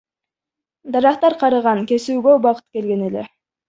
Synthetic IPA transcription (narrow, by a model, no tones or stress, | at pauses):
d̪ɑɾɑqt̪ɑɾqʰɑɾɯʁɑŋke̞suːɡøbɑqɯ̥t̪̚ke̞lɡe̞ne̞le̞̰